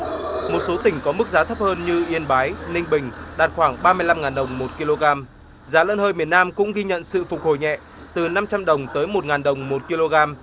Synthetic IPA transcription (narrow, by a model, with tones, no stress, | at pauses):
mo˨˩t̚so˨˦t̪ï˧˩ŋ̟kɔ˨˦mɨ˦˥k̚zaː˨˦t̪ʰə˦˥p̚həː˧nɲɨ˧ʔi˧ənɓaː˨˦jnï˧ŋ̟ɓï˨˩ŋ̟ɗaː˨˩t̚xwaː˧˩ŋɓaː˧mɨ˧əjla˧mŋaː˨˩nɗə˨˩wŋ͡mmo˨˩t̚ki˧lo˧ɣaː˧m | zaː˨˦lə̰˧˥nhəː˧jmi˨˩ənaː˧mkʊ̰˧˥ŋ͡mɣi˧ɲə̰˧˨nsɨ̰˧˨fʊ˨˩k̚ho˨˩jɲɛ̰˧˨ | t̪ɨ˨˩na˧mt͡ɕa˧mɗə˨˩wŋ͡mt̪əː˨˦jmo˨˩t̚ŋaː˨˩nɗə˨˩wŋ͡mmo˨˩t̚ki˧lo˧ɣaː˧m